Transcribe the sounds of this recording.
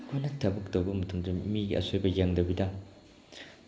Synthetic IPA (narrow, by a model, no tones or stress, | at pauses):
kʰojnɐtʰɐbuk̚tɐwbɐmɐtʰuŋdɐmiɡiʔɐ̰sʰojbɐjaŋdɐwbidaŋ